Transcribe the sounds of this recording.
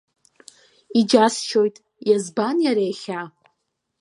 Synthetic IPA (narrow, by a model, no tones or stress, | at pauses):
id͡ʒast͡ʃʰo̞jtʼ | jazbanjaɾeχʲa